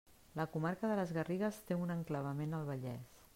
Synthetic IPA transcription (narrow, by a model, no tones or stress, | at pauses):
ləkumaɾkəðələzɣəriɣəst̪eunəŋkləβ̞əmenəlˠβəʎɛs